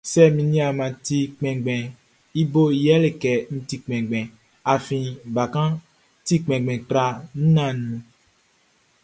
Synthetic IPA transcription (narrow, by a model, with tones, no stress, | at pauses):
sɛ˦mĩ˨nĩ˦a˨mã˨ti˦k͡pɛ̃˨ɡ͡bɛ̃˨ | i˦bo˦˨jɛ˦le˨kɛ˨ñ̩˦ti˦k͡pɛ̃˨ɡ͡bɛ̃˨ | a˨fĩ˨ba˨kã˦ | ti˦k͡pɛ̃˨ɡ͡bɛ̃˨k͡pɾa˨n̩˦nã˦nũ˨